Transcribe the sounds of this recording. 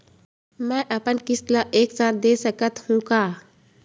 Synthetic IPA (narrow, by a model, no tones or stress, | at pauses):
mɛ̃ːʔɐpənkɪslaʔeːksaːt̪̚d̪eːsəkət̪hũːkaː